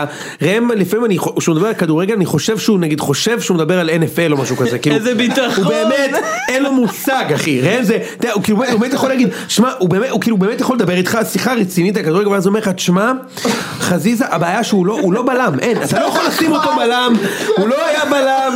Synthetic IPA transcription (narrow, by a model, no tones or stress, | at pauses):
ʁemlifaimanioʃeumed̪abe̞alkad̪uʁeɡelaniχo̞ʃe̞vʃeunaɡid̪̥χo̞ʃe̞vʃeumed̪abeʁalenefelo̞maʃukazekiːlubit̪ubeːme̞t̪enlo̞musaɡaχiʁeemzet̪aukiːlubeetbemtjaχolaːɡid̪ | ʃmaʔubeːmeukiːlubeːmet̪jaχoled̪abe̞ʁit̪χasiχaʁet͡sinit̬akad̪uʁeɡvazeo̞me̞at̪ʃma | χazizaʔabeːjaʃeulo̞ulo̞balamʔe̞nat̪alojaχolasimot̪obalamulo̞ajabalam